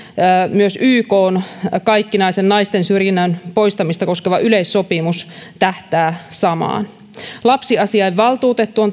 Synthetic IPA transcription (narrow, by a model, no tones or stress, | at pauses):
myøsyːkoːnkɑjkːinɑisenːɑist̪ensyrjinːænpo̞ist̪ɑmist̪ɑko̞skeʋɑʔylejsːo̞pimust̪æht̪æːsɑmɑ̰ːn | lɑpsiɑsiɑiʋːɑlt̪uːt̪et̪ːuon